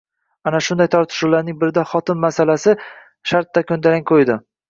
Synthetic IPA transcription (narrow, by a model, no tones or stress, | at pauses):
anaʃʊnd̪ajt̪ʰɒɾt̪ʰɪ̥ʃuwlaɾnɪŋbɪɾɪd̪aχɒt̪ʰɪnmasalasɪ | ʃaɾt̪̚ːakʲʰɵnd̪alaŋkʰojd̪ɪ